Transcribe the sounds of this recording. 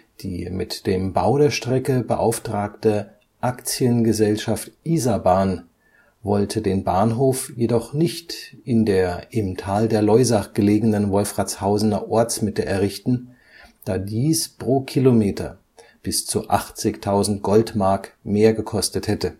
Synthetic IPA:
d̥ḭːmɪtd̥eːmbaʊdeːɐʃtʁ̥ɛkəbəʔaʊftʁ̥aːktə | ʔakt͡sjənɡəzɛlʃaftʔiːzabaːn | vɔltʰədeːnbaːnɦoːfjedɔχnɪçtʔɪndeːɐʔɪmtʰaːldeːɐlɔʏzaɡ̥əleːɡənənvɔlfʁ̥at͡shaʊzənɐʔɔɐt͡smɪtəʔɛɐʁɪçtn̩ | d̥aːdiːspʁ̥oːkʰilomeːtʰɐ̰ | b̥ɪst͡suʔaχt͡sɪçtʰaʊzn̩tɡ̥ɔltmaɐkmeːɐɡəkʰɔstəthɛtə

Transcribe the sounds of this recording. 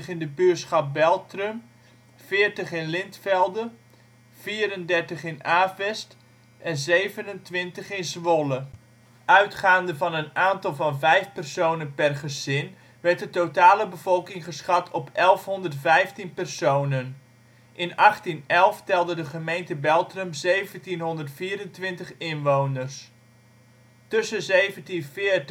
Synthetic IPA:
əχɪndəbyətsχɑp̚bɛlˠtrəm | fɪːrtəχɪnlɪntfɛlˠdə | fiːɾəndɛrtəχɪnaːfɛst | ʔɛnzejvənəntʋɪntəχɪnsʋolə | ʔœɥtχaːndəvɑnənaːntɑlˠvɑnvɛjfpɛrsownənpɛrχəzɪn | ʋɛɹt̚dətowtaːləbəv̥ɔlˠkɪŋχəsχɑtʰɔpʰɛlˠfɦɔndərtfɛjftinpɛrsownən | ʔɪnɑχtinɛlˠftɛlˠdədəχəmejntəbɛlˠtrəmzejvəntinɦɔndərtfiːɾəntʋɪntəχɪnʋownərs | tɵsəzejvəntinfɪː

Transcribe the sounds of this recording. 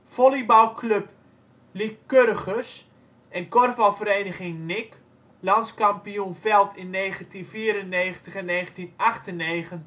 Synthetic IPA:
folibawkʰløp | likːørəχəs | ɛnkɔrvalˠfəɾeːnəχɪŋnɪk | lɑnskampijunfɛlˠtʰɪnːeːχəntinfiəɾənːeːχəntəχɛnːeːχəntinaχtəneːχən

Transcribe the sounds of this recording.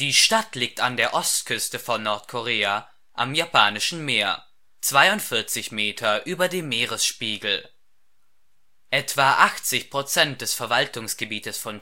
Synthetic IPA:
d̥iːʃtatliːk̚tandeːɐʔɔstkʰʏstəfɔnːɔɐtkʰɔʁeːa | ʔa̰mjapʰaːnɪʃn̩meːɐ | t͡sv̥aɪʊntfɪɐt͡sɪçmeːtʰɐʔyːbɐdeːmmeːʁəsʃpiːɡl̩ | ʔɛtv̥aʔaxt͡sɪçpʁ̥ot͡sɛnt̚d̥ɛsfɛɐvaltʊŋsɡ̥əbiːtəsfɔn

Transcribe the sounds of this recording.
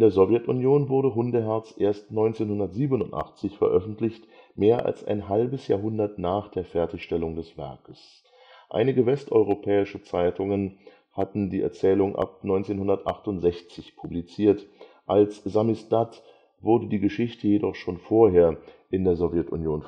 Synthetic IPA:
ɪndeːɐzɔvjɛtʊnjoːnvʊɐɾəɦʊndəɦɛɐt͡sʔeːɐstnɔʏnt͡seːnhʊndɐtz̥iːbənʊntʔa̰χt͡sɪçfɛɐʔœfn̩tʰlɪçtmeːɐʔa̰lsa̰ɪnɦalbəsja̰ːɐɦʊndɐtnaːχd̥eːɐfɛɐtɪçʃtɛlʊŋdɛsv̥ɛ̰ɐkəs | ʔa̰ɪnɪɡəvɛstʔɔʏʁopʰɛːɪʃət͡saɪtʰʊŋən | hatn̩diːɛ̰ɐt͡sɛːlʊŋʔa̰p̚nɔʏnt͡seːnhʊndɐtʔaχtʊntz̥ɛçt͡sɪçpʰublit͡siːɐt | ʔalsz̥amisd̥at | v̥ʊɐdədiːɡəʃɪçtʰəjedɔχʃoːnfoːɐɦeːɐʔɪndeːɐzovjɛtʊ̰njoːn

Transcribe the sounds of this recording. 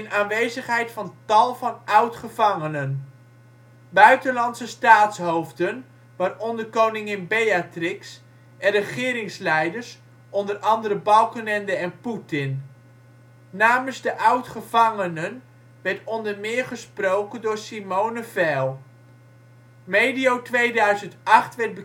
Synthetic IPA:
ɪnaːnʋejzəχɦɛjtfɑntɑlˠvɑnʌwtχəvɑŋənən | bœɥtəlɑnsəstaːtsɦowvdən | ʋaːrɔndərkownɪŋɪnbejatrɪks | ʔɛnrəχɪːɾɪŋslɛjdəɹs | ɔndərʔɑndəɾəbɑlˠkənɛndəɛnputɪn | aːmənzdəʔʌwtχəvɑŋənən | ʋɛɹtɔndəɹmɪːɹχəsprowkəndʊːɹsimownəvɛlˠ | mejdijowtʋejdœɥzəntɑχtʋɛɹd̚bə

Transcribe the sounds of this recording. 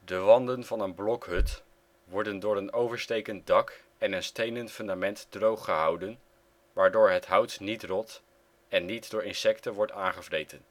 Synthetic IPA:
dəʋɑndənvɑnənblɔkɦɵt | ʋɔɹdəndʊːɹənowvəɹstejkənt̚dɑk | ɛnənstejnəntfɵndamɛntdrowχːəɦʌwdən | ʋaːɹdʊːɹɦətɦʌwtnitrɔt | ɛnːitdʊːɹɪnsɛktəʋɔɹtaːnχəvrejtən

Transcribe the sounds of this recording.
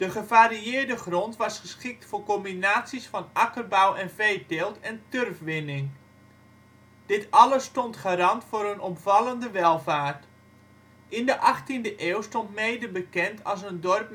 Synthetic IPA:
d̥əχəvaːɾiɪːɹdəχrɔntʋɑsχəsχɪk̚tfʊːɹkɔmbinaːtsisfɑnʔɑkərbawɛnvejtɪːlˠtɛntørfʋɪnɪŋ | d̥ɪtɑləstɔntχaːɾɑntfʊːɾənɔmvɑləndəʋɛlˠvaːɹt | ɪndəʔɑχtindəʔɪːwstɔntmejdəbəkɛntʰɑ̰lˠs̬əndɔrp̚

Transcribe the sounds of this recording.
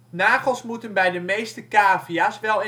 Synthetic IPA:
naːχəlˠsmutənbɛjdəmejstəkaːviasʋɛlˠɪ

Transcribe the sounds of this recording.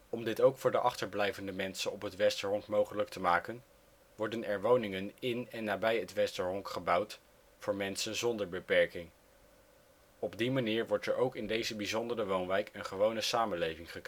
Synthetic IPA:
ɔmdɪtowkfʊːɹdəʔɑχtəɹblɛjvəndəmɛnsənɔpɦətʋɛstəɹɦɔŋkmowχələk̚təmaːkən | ʋɔɹdənɛɹʋownɪŋənɪnɛnːaːbɛjətʋɛstəɹɦɔŋkχəbɑwt | fʊːɹmɛnsənzɔndəɹbəpɛɹkɪŋ | ɔb̚dimaniːɹʋɔɹtɛɹʔowkɪndejzəbizɔndərəʋownʋɛjkənχəʋownəsaːmənlejvɪŋχək

